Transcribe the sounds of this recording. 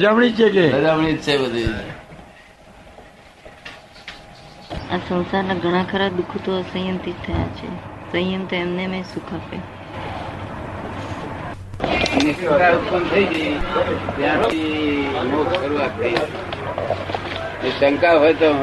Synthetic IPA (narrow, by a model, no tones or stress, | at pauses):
d͡ʒamɳit͡ʃʰekeəd͡ʒamɳit̪ːʃajbəd̪ʱəid͡ʒe | asə̃w̃saɾnãɡʱəɽ̃ãkʰəɾad̪ukʰt̪oəsəjənt̪it̪ʰːəja̰t͡ʃʰḛsəjəmt̪oemnemẽsukʰapḛ | mnisəɾaɾut̪̚pənt̪ʰəiɡəjt̪jãt̪ʰiɦəmokʃəɾuat̪ːəid͡ʒ | et͡ʃəŋkaɦojt̪o